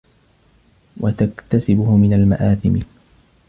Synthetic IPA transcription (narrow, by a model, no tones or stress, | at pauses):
wat̪akt̪asɪbʊhmɪnalma̰ʔaːθɪm